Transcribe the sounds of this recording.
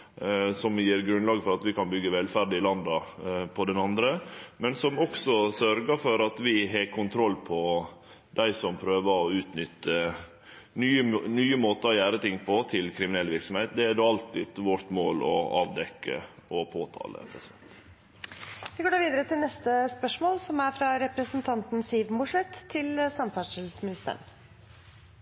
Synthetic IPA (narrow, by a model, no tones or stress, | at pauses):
sɔmjiːɾɡɾʉnlɑːɡfɔɾɑt̪ʋɪkɑnbʏɡːəʋɛlfæɾɖɪlɑnd̪ɑpʰɔd̪ɛnɑnd̪ɾəmɛnsɔmɔksɔsœɾɡəfɔɾɑt̪ʋɪɦeːkʰʊnt̪ʰɾɔlːpʰɔ | d̪̥æɪsɔmpʰɾøːʋəɾɔʉːt̪nʏt̪ːə | nyːənyːəmoːt̪əɔjæːɾət̪ɪŋpʰɔt̪ʰɪlkʰɾɪmɪnɛlːʋɪɾksɔmheɪt̪d̪ɛæd̪oɑlt̪ɪːd̪ʋɔɾt̪moːlɔ̰ɑ̰ːʋd̪ɛkːə̰ɔpʰoːt̪ʰɑ̰ːlə̰pʰɾɛsɪd̪ɛnt̪ | ʋɪɡoːɖɑːʋiːd̪əɾət̪ʰɪlnɛst̪əspœʂmoːlsɔmæɾfɾɑɾɛpɾəsənt̪ʰɑnt̪n̩siːʋmʊʂɭɛt̪ʰːɪlsɑmfɑsɪlsmɪnɪst̪ə̰ɳ